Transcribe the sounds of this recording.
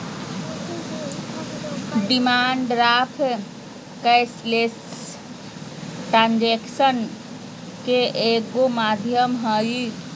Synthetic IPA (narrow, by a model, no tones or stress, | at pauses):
ɖimaɳɖɾapʰ | kəsles | ʈɾand͡ʒeksən | keʔeɡomad̪ʱjəmɦəj